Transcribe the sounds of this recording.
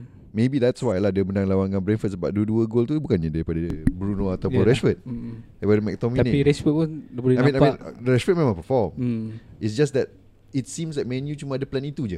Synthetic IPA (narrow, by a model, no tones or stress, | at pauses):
mebidɛtswajlahdəbəndaŋlawanãnbɾɛnfət̚səba̰ʔ̚duduəɡolt̪ubukanɲadaɾipadaabɾunoat̪awʊ̃nɾɛsfət̪̚aipadəmɛk̚t̪ɔmianĩiɾɛsfət̚punbuamĩnajmĩnɾɛsfət̚mẽmãŋpəfɔmits̬d͡ʒasdɛt̚ | itsĩmslat̚mɛ̃njut͡ʃumaadəplɛnit̪ud͡ʒə